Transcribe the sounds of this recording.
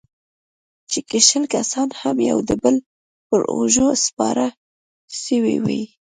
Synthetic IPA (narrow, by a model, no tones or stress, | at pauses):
t͡ʃekeʃəlkasɑnhamja̰wd̪əbəl | pəɾo̰ʒospɑ̰ɾa | ʃəwḭwḛj